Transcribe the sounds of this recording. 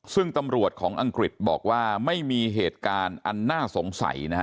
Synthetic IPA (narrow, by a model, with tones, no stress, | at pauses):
sɯ˥˩ŋt̪a˧mɾu˨˩ət̪̚kʰɔː˩˦ŋʔa˧ŋkɾi˨˩t̪̚bɔ̰ː˨˩k̚waː˥˩ma˥˩jmiː˧ɦeː˨˩t̪̚kaː˧nʔa˧nːaː˥˩so˩˦ŋsa̰˨˩˦jna˦˥